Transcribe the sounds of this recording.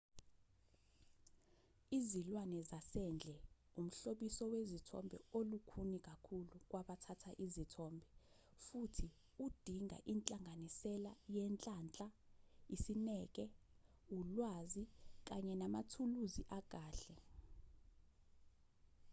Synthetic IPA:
izilwanɛzasɛnd͡ɮʱɛ | um̩ɬoɓisɔwezitʰɔ̰mbʱɛ̰olukʰunik̬ʼakʰuluk̬waɓatʰatʰaʔizitʰɔmbʱɛ | futʰi | ud̥ʱiŋʱa̰ʔint͡ɬʼaŋɡʱanisɛlajɛnt͡ɬʼaːnt͡ɬʼaisinɛːk̬ʼɛ | ulwaːzik̬aɲɛnamatʰuluziʔak̬ʼaːɬɛ

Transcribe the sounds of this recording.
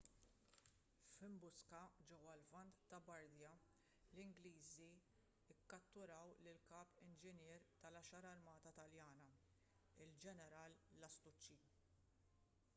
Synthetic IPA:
fɪmbʊskɐd͡ʒɛwːɐlvɐnt̪ːɐbɐɾd̪jɐ | lɪŋɡliːzi | ɪkːɐt̪ːʊɾɐwlɪlkɐːpɪnd͡ʒɪnjɪːɾt̪ɐlɐʃɐɾɐɾmɐːt̪ɐt̪ɐljɐːnɐ | ɪld͡ʒɛnɛɾɐːlːɐst̪ʊt͡ʃːi

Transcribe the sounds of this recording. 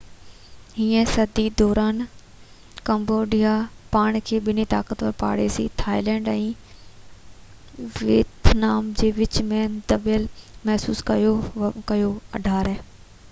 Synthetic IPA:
ɦiːə̃sɐd̪id̪ɔːɾaːn | kɐ̃mboːɖijapaːɽ̃kʰeːɓɪnit̪a̰ːkət̪ʋəɾpa̰ːɽeːsḭt̪ʰaːilɛ̃ːɳɖɛ̃ː | ʋeːt̪naːmd͡ʑeːʋɪt͡ɕmẽd̪ɐbɪəlmɛɦsuːskɐjokɐjoɐ̰ɖʱaːɾɛː

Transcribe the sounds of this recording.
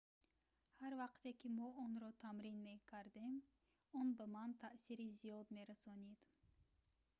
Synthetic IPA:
haɾvaqt̪ekʰimɔɔnɾɔt̪ʰamɾinme̞kʰaɾd̪em | ɔnbamant̪ʰaʔsiɾizijɔd̪me̞ɾasɔnid̪̥

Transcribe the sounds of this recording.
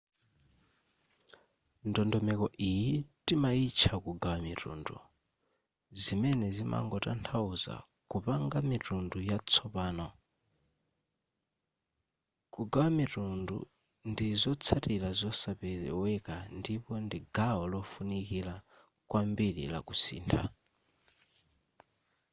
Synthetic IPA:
ndɔndɔmɛkɔʔijitimait͡ʃʰakuɡawamiɾṵndṵ | zimɛnɛzimʔa̰ŋɡɔta̰ntʰauza̰ | kupaŋɡamitundujat͡sʰɔpaːnɔ | kuɡawamitundṵ | ndizɔt͡sʰatilazɔsapɛɛwɛkandipɔndiɡaɔlɔfunikila | kwʔambiɺḭla̰kusḭːntʰa̰

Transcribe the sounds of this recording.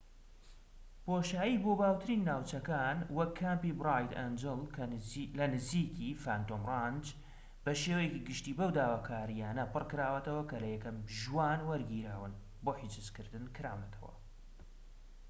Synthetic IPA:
poːʃaːiboːbaːwt̪ʰɨɾiːnːaːwt͡ʃɐkaːnwɐkʰːampibɾajd̪ɛ̰nd͡ʒɨlˠʰlɐnɨzikifaːnt̪oːmrɑnd͡ʒ | b̥ɐʃewɛjekiɡɨʃt̪iːbɐwd̪aːwaːkʰaːɾijaːnɐpɨrkɨɾaːwɐt̪ɐwɐkɐlɐjɛkɐmʒwaːnwɐɾɡiɾaːwɨn | boːħit͡ʃɨzkɨɾd̪ɨnkʰɨɾa̰ːwnɐt̪ʰɐwɐ̰

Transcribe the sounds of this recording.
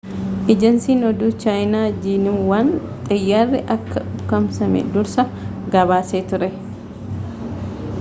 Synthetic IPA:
ʔɪd͡ʒɐnsiːnɔd̪uːt͡ʃaːjnaːd͡ʒiːnɪmwaːn | t̪ʼɐjːaːrːɪʔɐkːɐᶑʊkːɐmsɐmɛ̰d̪ʊɾsɐ | ɡɐβaːseːt̪ʊɾɛ

